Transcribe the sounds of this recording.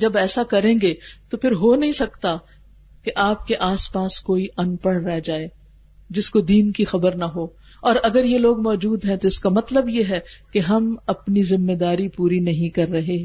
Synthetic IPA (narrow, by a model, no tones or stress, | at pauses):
d͡ʒɐbɛːsakɐɾẽːŋɡet̪opʰɪɾɦonɐɦĩsɐkt̪a | keʔaːp̚keʔaːspaːskoːiʔɐnpəɽɾɛɦd͡ʒaːeː | d͡ʒɪskod̪iːnkixɐbəɾnaɦoː | ɔːɾɐɡəɾjeloːɡmɔːd͡ʒuːd̪ɦɛ̃t̪oɪskamɐt̪ləbjeɦɛkeɦɐmɐpnizɪmːed̪aːɾipuːɾinɐɦĩkɐɾːɐɦe